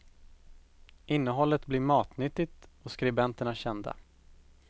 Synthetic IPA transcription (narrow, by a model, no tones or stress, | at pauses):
ɪnːəɦɔlːət̪blɪɾmɑːt̪nʏt̪ːɪt̪ɔskɾɪbɛnt̪əɳaɕɛnd̪a̰